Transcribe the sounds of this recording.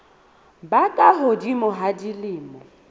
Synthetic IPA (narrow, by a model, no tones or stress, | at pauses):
bakʼaɦʊdimɔɦadilɪːmɔ